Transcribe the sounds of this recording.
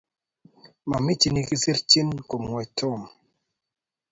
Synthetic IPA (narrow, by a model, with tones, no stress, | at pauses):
ma˨mi˦t͡ʃi˨˦ni˧ki˦si˦ɾt͡ʃi˦nko˨mŋwɛ˨to˦˨m